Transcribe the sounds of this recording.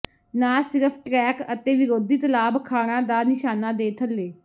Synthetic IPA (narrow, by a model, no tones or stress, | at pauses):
naːsɪɾəpʰʈɾɛːkət̪eːʋɪɾoːd̪iːt̪əlaːbkʰaːɽ̃ãːd̪aːnɪʃaːnaːd̪eːt̪ʰəlːeː